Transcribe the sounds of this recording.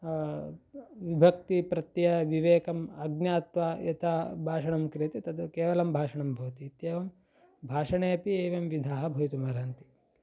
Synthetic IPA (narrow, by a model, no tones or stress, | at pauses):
ʋibʱɐk̚t̪ipɾɐt̪jɐʋiʋeːkɐmɐɡnjaːt̪ʋajɐt̪ʰabʱaːʂɐɳɐmkɾijɐt̪it̪ɐd̪ukeːʋɐlɐmbʱaːʂɐɳɐmbʱɐːt̪iːt̪jeːʋɐm | bʱaːʂɐɳeːɐpieːʋɐmʋid̪ʱaːɦɐbʱɐjit̪umɐɾaːnt̪i̥